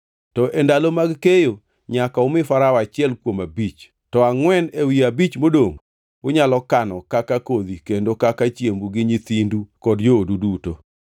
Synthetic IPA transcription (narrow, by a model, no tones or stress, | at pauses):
tɔʔendalomaɡkejo | ɲakaʊmɪfaɾaat͡ʃɪɛlkwomabit͡ʃ | tɔaŋwɛnewiabit͡ʃmodoŋ | ʊɲalɔkanɔkakakod̪ikendokakat͡ʃjembuɡɪɲit̪indukɔdjoːduduto